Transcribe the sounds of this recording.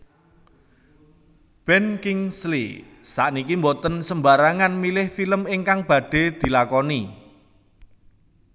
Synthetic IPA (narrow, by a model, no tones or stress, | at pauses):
b̥ɛnkɪŋslḭ | saʔnikimbɔt̪ənsəmbaɾaŋanmilɪhfiləmɪŋkaŋb̥ä̤ɖ̥e̤d̪̥i̤lakɔni